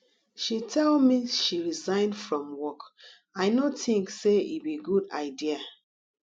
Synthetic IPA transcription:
ʃitʰɛlmiʃiɹizãɪ̃ndfɹɔ̃mwɔk | aɪnotĩŋkseḭbiɡuda̰ɪdia

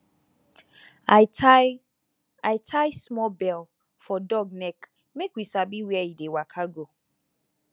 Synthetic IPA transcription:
a | aɪtʰajsmɔbɛl | fɔdɔɡ̚nɛk | mekwisabiwɛidewakʰaɡo

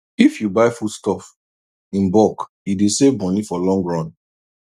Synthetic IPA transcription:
ifjubaɪfudstɔf | ĩnbɔkjudesevmɔnifɔlɔ̃ŋɡɹɔ̃n

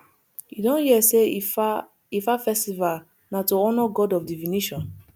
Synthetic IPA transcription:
jḭdɔ̃nhiɛse | ifafɛstival | natoɔnɔɡɔdɔfdiviniʃɔ̃n

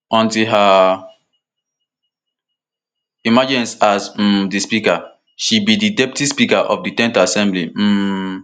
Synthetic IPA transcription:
ɔ̃ntiɦa | imad͡ʒĩnsaz̩dispika | ʃibididɛptispikaʔɔfditɛ̃ntaasɛ̃mblim̩

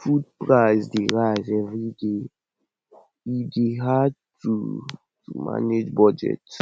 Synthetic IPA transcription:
fud̚pɹaɪzdeɹaɪzɛvɹide | ideɦad̚tu | tṵma̰ned͡ʒbɔd͡ʒɛ̰t

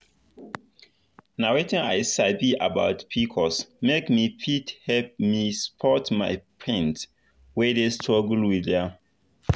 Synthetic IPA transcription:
nawetĩnaɪsabiʔaba̰ʊtpʰikʰɔsmekmipʰithɛp̚mispʰɔtma̰ɪpʰɹɛ̃nt | wɛdestʰɹɔɡlwiðɛ

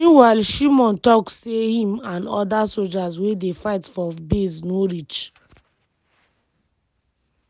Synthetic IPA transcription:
ũwaɪlʃimɔ̃ntɔkssehĩmãnɔ̰dasold͡ʒaswedefaɪtfɔbesnoɹit͡ʃ

